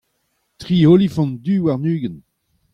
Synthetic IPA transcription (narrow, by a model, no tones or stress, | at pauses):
t̪ʁiːolifɔ̃nd̪yːwaʁnyːɡən